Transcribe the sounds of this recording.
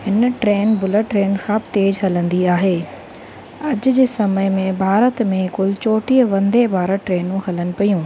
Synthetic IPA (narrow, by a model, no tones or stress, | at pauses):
hɪnʈɾeːnbʊləʈɾeːnkʰãːbt̪eːd͡ʑɦɐlə̃nd̪iaːɦeː | ɐd͡ʑʊd͡ʑeːsɐməjmẽbʱaːɾət̪mẽkʊlɪt͡ɕoːʈiːəʋɐ̃nd̪ebaːɾəʈɾeːnũɦɐlənɪ̆pɐjũː